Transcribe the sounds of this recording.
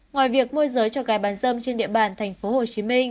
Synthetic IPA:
ŋwaː˨˩jvi˨˩ək̚mu˧əzəː˨˦jt͡ɕɔ˧kaː˨˦jɓaː˨˦nzə˧mt͡ɕe˧nɗḭ˧˨əɓaː˨˩nt̪ʰɛ˨˩jŋ̟fo˨˦ho˨˩t͡ɕi˨˦mi˧ŋ̟

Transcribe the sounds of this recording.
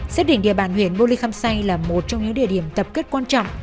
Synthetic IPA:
se˦˥t̚ɗḭ˧ŋɗḭ˧˨əɓaː˧˩nhwḭ˧˩ənɓo˧li˧xaː˧msa˧jŋlaː˨˩mo˨˩t̚t͡ɕɔ˧ŋ͡mŋɲɨ̰˧˥ŋɗḭ˧˨əɗi˧˩əmt̪ə˨˩p̚ke˦˥t̚kwaː˧nt͡ɕɔ̰˧˨wŋ͡mʔ

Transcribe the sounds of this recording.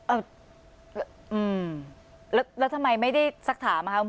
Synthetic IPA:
ʔɤː˧˩˧ | ʔɯː˧˩m | lɛː˦˥wlɛː˦˥wt̪ʰa˧mːa˧jma˥˩jda˥˩jsa˦˥k̚t̪ʰaː˩˦mːa˧kʰa˦˥o˧˦

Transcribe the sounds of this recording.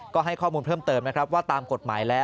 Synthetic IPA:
kɔː˥˩ɦa˥˩jkʰɔː˥˩muː˧npʰɤː˥˩mt̪ɤː˧mna˦˥kʰɾa˦˥p̚waː˥˩t̪aː˧mko˨˩t̪̚maː˩˦jlɛː˦˥

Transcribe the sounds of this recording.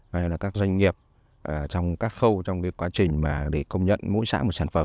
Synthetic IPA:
ʔaː˧laː˨˩kaː˦˥k̚zwa˧jŋŋi˨˩əp̚ | ʔəː˨˩t͡ɕɔ˧wŋ͡mkaː˦˥k̚xə˧wt͡ɕɔ˧wŋ͡mki˨˦kwaː˨˦t͡ɕï˨˩ŋ̟maː˨˩ɗe˧˩kə˧wŋ͡mɲə̰˧˨nmo̰˧˥jsa̰ː˧˥mo˨˩t̚saː˧˩nfə˨˩

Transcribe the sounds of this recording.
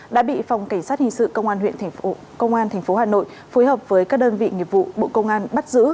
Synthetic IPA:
ɗa̰ː˧˥ɓḭ˧˨fa˨˩wŋ͡mka˧˩jŋ̟saː˦˥t̚hï˨˩ŋ̟sɨ̰˧˨kə˧wŋ͡mʔaː˧nhwḭ˧˨ənʰ˨˩˨ | kə˧wŋ͡mʔaː˧nt̪ʰɛ˨˩jŋ̟fo˨˦haː˨˩no̰˧˨j | fo˨˦jhəː˨˩p̚vəː˨˦jkaː˦˥k̚ɗəː˧nvḭ˧˨ŋi˨˩əp̚vṵ˧˨ɓo̰˧˨kə˧wŋ͡mʔaː˧nɓa˦˥t̚zɨ̰˧˥

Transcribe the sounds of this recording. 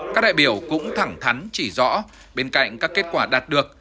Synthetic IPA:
kaː˦˥ɗa̰ː˧˨jɓi˧˩əwkʊ̰˧˥ŋ͡mt̪ʰa˧˩ŋt̪ʰa˨˦nt͡ɕi˧˩zɔ̰˧˥ | ɓe˧nka̰˧˨jŋ̟kaː˦˥kːe˦˥t̚kwaː˧˩ɗaː˨˩t̚ɗɨ˨˩ək̚

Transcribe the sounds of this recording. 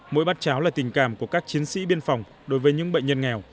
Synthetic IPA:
mo̰˧˥jɓaː˦˥t̚t͡ɕaː˨˦wlaː˨˩t̪ï˨˩ŋ̟ka̰ː˧˩mku˧˩əkaː˦˥k̚t͡ɕi˨˦ənsḭ˧˥ɓi˧ənfɔ˨˩wŋ͡m | ɗo˨˦jvəː˨˦jɲɨ̰˧˥ŋɓə̰˧˨ɲ̟ɲə˧nŋɛ˨˩w

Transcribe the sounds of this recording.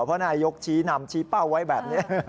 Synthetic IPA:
pʰɔ˦˥naː˧jo˦˥k̚t͡ɕʰiː˦˥na˧mt͡ɕʰiː˦˥pa˥˩wːa˦˥jbɛː˨˩p̚ni˦˥ɐ

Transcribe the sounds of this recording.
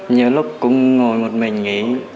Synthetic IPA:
ɲəː˨˩lʊ˦˥k͡p̚kʊ̰˧˥ŋ͡mŋo˨˩jmo˨˩t̚mï˨˩ŋ̟ŋḭ˧˥

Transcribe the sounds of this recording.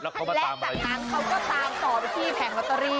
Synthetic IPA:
lɛ˦˥˨a˨˧˩aː˨˥nkʰa˦˥wkɔː˥˩saː˨˦˥mt̪ɔː˨˩pa˧t̪ʰiː˥˩p̪ʰɛː˨˩˦ŋʔa˨˩t̪ːa˧ɾiː˧˩

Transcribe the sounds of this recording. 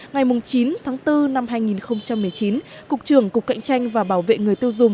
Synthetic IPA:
ŋa˨˩jmʊ˨˩ŋ͡mt͡ɕi˨˦nt̪ʰaː˨˦ŋt̪ɨ˧na˧mɦaː˧jŋi˨˩nxə˧wŋ͡mt͡ɕa˧mːɨ˨˩əjt͡ɕi˨˦nkʊ˨˩k̚t͡ɕɨ˧˩əŋkʊ˨˩k͡p̚ka̰˧˨jŋ̟t͡ɕa˧jŋ̟vaː˨˩ɓaː˧˩wvḛ˧˨ŋɨ˨˩əjt̪i˧əwzʊ˨˩ŋ͡m

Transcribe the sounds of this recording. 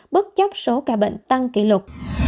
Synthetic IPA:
ɓɨ˦˥k̚t͡ɕə˦˥wp̚so˨˦kaː˧˩ɓḛ˧˨ŋ̟t̪a˧ŋkḭ˧˩lʊ˨˩k͡p̚

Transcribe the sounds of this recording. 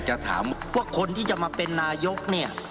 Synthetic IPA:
t͡ɕa˨t̪ʰa̰ː˩˦mwaː˥˩kʰo˧nt̪ʰiː˥˩t͡ɕa˨˩maː˧pe˧nːaː˧jo˦˥k̚ni˥˩ɐ

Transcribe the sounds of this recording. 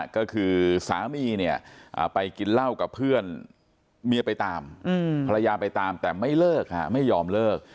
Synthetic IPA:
kɔː˥˩kʰɯː˧sa̰ː˩˦miː˧ni˥˩ɐʔa̰ː˨˩pa˧jki˧nla˥˩wka˨˩pʰːɯ˥˩ən | mi˧pa˧jt̪aː˧mɯ˧a˧ɾa˧jaː˧pa˧jt̪aː˧mt̪ɛː˨˩ma˥˩jlɤː˥˩k̚a̰˧˥ma˥˩jːɔː˧mlɤː˥˩k̚

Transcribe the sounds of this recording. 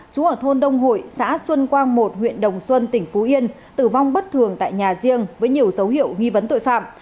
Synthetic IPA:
t͡ɕu˨˦ʔəː˧˩t̪ʰo˧nɗə˧wŋ͡mɦo̰˧˨jsa̰ː˧˥swə˧nkwaː˧ŋmo˨˩t̚hwḭ˧˨ənɗə˨˩wŋ͡mswə˧nt̪ï˧˩ŋ̟fu˨˦ʔi˧ən | t̪ɨ˧˩va˧wŋ͡mɓə˦˥t̚t̪ʰɨ˨˩əŋt̪a̰ː˧˨jɲaː˨˩zi˧əŋvəː˨˦jɲi˨˩əwzə˨˦whḭ˧˨əwŋi˧və˨˦nt̪o̰˧˨jfa̰ː˧˨m

